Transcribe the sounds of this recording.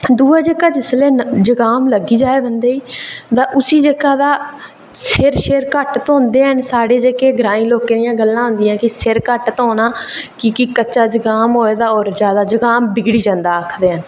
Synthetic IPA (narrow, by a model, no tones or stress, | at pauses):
d̪uːaːd͡ʒeːkaːd͡ʒɪsleːnd͡ʒəɡaːmləɡiːd͡ʒaːeːbənd̪eːiːt̪ãːʔʊsiːd͡ʒeːkaːd̪aː | sʰɪɾʃeːɾkəʈt̪õːnd̪eːɦənsaːɽeːd͡ʒeːkeːɡɾãːĩːloːkeːd̪ijãːɡəlːãːɦʊ̃nd̪ɪjãːkɪseɾkəʈt̪ɦoːnaːkɪkɪkətːt͡ʃaːd͡ʒəɡaːmɦoːeːd̪aːɔːɾd͡ʒjaːd̪aːd͡ʒəɡaːmbɪɡɽiːd͡ʒãnd̪aːəkʰd̪eːɦən